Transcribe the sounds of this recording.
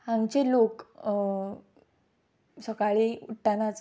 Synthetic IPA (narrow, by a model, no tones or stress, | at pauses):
ãŋɡt͡ɕelok | səkaɭiuʈːanat͡s